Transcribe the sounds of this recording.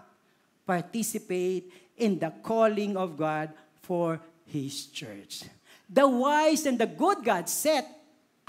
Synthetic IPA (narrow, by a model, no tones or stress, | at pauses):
paɹt̪isɪpeɪt̪̚ | ɪ̃nd̪ɐkʰɔlɪ̃ŋɔvɡad̪̚ | fɔɹ | hɪst͡ʃɛ̰ɹt͡ʃ | d̪ɐwajsɛ̃nd̪ɐɡʊd̪̚ɡad̪sɛt̪̚